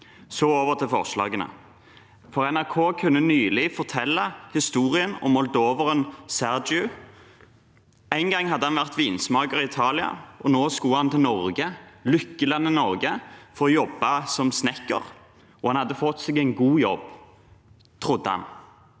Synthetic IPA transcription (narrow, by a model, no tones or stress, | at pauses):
sɔːoːʋəʁt̪ʰɪlfɔ̰ʁʂlɑ̰ːɡənə̰ | fɔʁɛnæʁkʰoːkʰʉnːənyːlɪfɔʁt̪ʰɛlːɑhɪst̪uːʁɪənɔ̰mɔld̪oːʋəʁənsæʁd͡ʒʉ | æɪnɡɑŋːhɑd̪ːəɑnʋæʁt̪ʋiːnsmɑːɡəʁɪɪt̪ʰɑːlɪɑ̰ʔɔnoːskuːhɑnt̪ʰɪlnɔʁɡəlʏkːəlɑnːənɔʁɡəfɔʁɔjɔbːɑsɔmsnɛkːə̰ʁ | ɔhɑnhɑd̪ːəfɔt̪ːsɛɡæɪnɡuːjɔ̰b | t̪ʰʁʊd̪ːəhɑ̰n